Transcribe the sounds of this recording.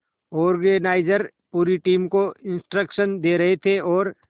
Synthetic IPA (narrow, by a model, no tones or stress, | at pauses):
ɔːɾɡenaːɪd͡ʒəɾ | puːɾiʈiːmkoɪ̃nsʈɾəkʃənd̪eːɾɐɦet̪ʰeʔɔːɾ